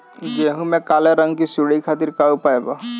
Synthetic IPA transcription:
jeɦũmẽkaːleɾə̃ŋɡkisuɽikʰaːt̪ɪɾkaupaːebaː

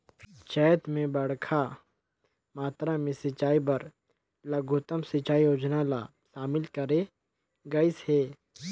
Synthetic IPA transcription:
t͡ʃɛːjt̪mẽbɐɽkʰa | maːt̪ɾamẽsɪt͡ʃaːibɐɾ | lɐɡʱʊt̪əmsɪt͡ʃaːioːd͡ʒnala̰ | ʃaːmɪlkɐɾe | ɡɐɪsheː

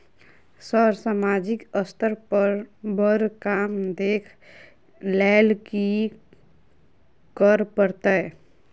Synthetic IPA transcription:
səɾsamaːd͡ʒɪkəst̪əɾpəɾbəɾkaːmd̪eːkʰ | lɛːlki | kəɾpəɾt̪aɛː

